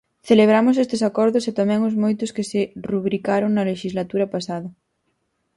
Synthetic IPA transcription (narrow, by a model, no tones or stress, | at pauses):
θeleβ̞ɾamʊs̬est̪ɪsakɔɾðʊset̪amɛ̃ŋʊzmojt̪ʊskɪsɪruβɾikaɾʊŋnɐleʃizlat̪uɾɐpasaðɐ